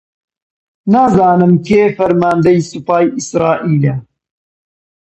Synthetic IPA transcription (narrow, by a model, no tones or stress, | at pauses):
naːzaːnɨmkeːfɐɾmaːnd̪ɐjsupaːjisɾɑːʔiːlɐ